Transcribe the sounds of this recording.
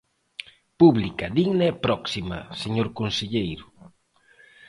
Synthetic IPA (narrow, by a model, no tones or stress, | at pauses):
puβlikɐðiɣnaɛpɾɔksima̰seɲoɾkonseʎejɾʊ